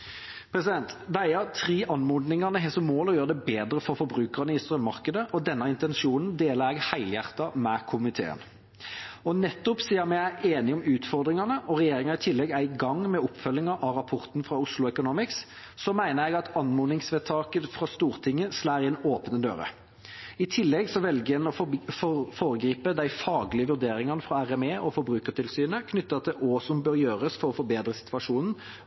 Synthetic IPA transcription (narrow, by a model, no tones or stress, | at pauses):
pʰɾɛsɪd̪ɛnt̪d̪ɛæɪəɾt̪ʰʁiːʔɑnmuːd̪nɪŋɑnəɦɛsɔmoːlɔjøːʁəd̪ɛbeːd̪ɾəfɔɾfɔɾbʁʉːkəʁnəɪst̪ɾœmːɑʁkəd̪əʔɔd̪ɛnːɑɪnt̪ɛnʃuːnnd̪eːləɾɛɡhæɪljæʁt̪ɑmɛkʰʊmɪt̪ʰḛːə̰n | ɔnɛt̪ːʊpsiːəmɛæeːnɪɔmʉːt̪fɔʁd̪ʁɪŋɑnəʔɔʁɛjeːʁɪŋɑʁɪt̪ʰɪlːɛɡæɪɡɑŋːmɛɔpːfœlːɪŋɑʔɑɾɑpʰɔʁt̪nfʁɑʊslʊɛkʊnuːmɪks | sɔmæɪnəɾjɛɡɑt̪ɑnmuːnɪŋsʋɛt̪ʰɑːkət̪fʁɑst̪uːɾt̪ʰɪŋːəslæːɾɪɛnoːpənəd̪ø̰ːɾə̰ | ɪt̪ʰɪlːɛɡsɔʋɛlɡəɛnɔfɔfoːɾəɡɾiːpəd̪æɪfɑːɡlɪəʋʉɾd̪eːɾɪŋɑnəfɾɑæʁɛmeːʔɔfɔbɾʉːkəʁʈ̪ʰɪlsyːnəkʰnʏt̪ːɑt̪ɛʔɔsɔmbøːɾjøːʁəsfɔɾɔfɔbeːd̪ɾəsɪ̥t̪ʰʋɑʂuːnn̩